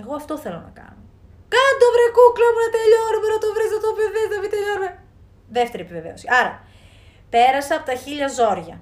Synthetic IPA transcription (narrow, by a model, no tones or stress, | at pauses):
eɣoɐft̪o̞θe̞lo̞̰nɐkɐ̰no | kɐnd̪ovɾekuklomunɐt̪eʎoɾumenɐt̪ovɾeznɐt̪opeveznɐpit̪eʎoɾume | ðe̞ft̪e̞ɾiepiveve̞o̞siɐɾɐ | pe̞ɾɐseɐpo̞t̪ɐçiʎɐzo̞ɾʝɐ